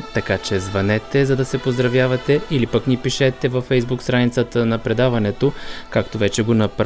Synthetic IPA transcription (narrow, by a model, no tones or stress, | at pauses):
t̪ɐkat͡ʃɛzvɐnɛt̪ɛzɐd̪ɐsɛpozd̪ɾɐvjavɐt̪ɛilipəknipiʃɛt̪ɛvɐfɛjzbukst̪ɾanit̪sət̪ənɐpɾɛd̪avɐnɛt̪okakt̪ovɛt͡ʃɛɡonɐpɾ